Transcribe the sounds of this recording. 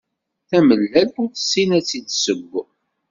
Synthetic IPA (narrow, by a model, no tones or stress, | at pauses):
θæməlːælθʊɾθə̥sːinæt͡sːid̪səɡʷː